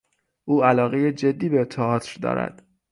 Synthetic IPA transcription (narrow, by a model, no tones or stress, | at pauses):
ʔuːælɒːɣejed͡ʒe̞d̪ːiːbet̪ʰːɒɒːt̪ʰɾd̪ɒ̰ːɾæ̰d̪̥